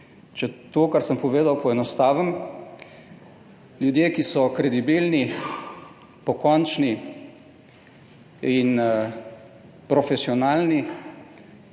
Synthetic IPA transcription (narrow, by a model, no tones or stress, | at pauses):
t͡ʃɛt̪oːkaɾsəmpɔʋeːd̪awpɔɛnɔst̪aːʋəm | ljud̪jeːkisɔkɾɛd̪ibilni | pɔkɔnt͡ʃni | in | pɾɔfɛsiɔnaːlni